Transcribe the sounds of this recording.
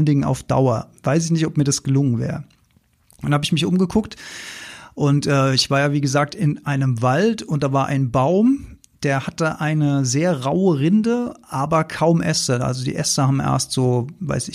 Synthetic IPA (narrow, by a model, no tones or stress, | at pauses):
əndɪŋəna̰ʊfd̥a̰ʊɐv̥aɪs̬ɪçnɪçtɔpmiːɐdasɡ̥əlʊŋənvɛ̰ːʁə̥ | nhaːbəɪçmɪçʔʊmɡəkʰʊkt | ʔʊntʔɛːɪçv̥aːɐjaːviːɡəzaːk̚tɪnʔaɪnəmvaltʊnt̚d̥aːvaːɐʔa̰ɪnbaʊm | d̥eːɐhatəʔaɪnəzeːɐʁaʊəʁɪndəʔaːbɐkʰaʊmʔɛstɐʔa̰lzodḭːʔɛstɐhaːbm̩ʔɛ̰ɐstz̥oːva̰ɪsɪ